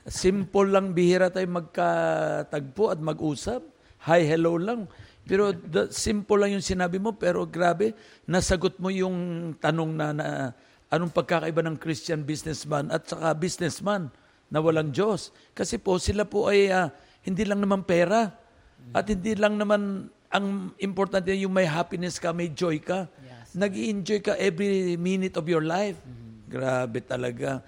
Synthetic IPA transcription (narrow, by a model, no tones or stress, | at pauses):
simpolːɐŋbɪhiɾat̪ajmɐɡ̚kat̪aɡ̚poʔɐt̪̚mɐɡʔuːsap̚ | hajhɛlowlaŋpɛːɾo̞d̪simpolɐŋjʊŋsɪnaːbɪmo̞pɛːɾo̞ɡɾaːbɛ | nɐsɐɡot̪̚mo̞jʊŋt̪ɐno̞ŋnɐnɐ̰ | ʔɐnoŋpɐɡ̚kakɐʔɪbanɐŋkɾistanbisnɛsmanɐt̪̚t͡ʃɐkabisnɛsmanː | ɐwɐlaŋd͡ʒo̞s | kɐsɛpo̞sɪlapo̞ʔɐja | hɪnd̪iːlɐŋnɐmanpɛːɾa | ʔɐt̪̚hɪnd̪ilɐŋnɐman | ʔɐŋɪmpoɾt̪ant̪ɛjʊŋmɐjɦaːpɪnɛskɐmɐjd͡ʒo̞jkanɐɡiʔɪnd͡ʒo̞jkɐʔɛvɾiminɪt̪ovjoɹlajfɡɾabɛt̪ɐlɐɡa